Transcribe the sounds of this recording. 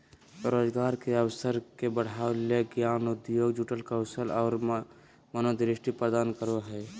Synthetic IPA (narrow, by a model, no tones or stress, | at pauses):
ɾoːd͡ʒɡaːɾkeəwsəɾkebəɽ̤aleɡjanod̪ijoːɡd͡ʒuʈəlkəʊsəlɔːɾ | mənod̪ɾɪʃʈipɾəd̪aːnkəɾoɦɛ